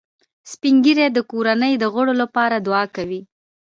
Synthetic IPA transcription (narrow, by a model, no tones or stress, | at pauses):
spiŋɡiɾed̪əkoɾanəjd̪əɣəɽolapɑɾad̪ʊɑkawi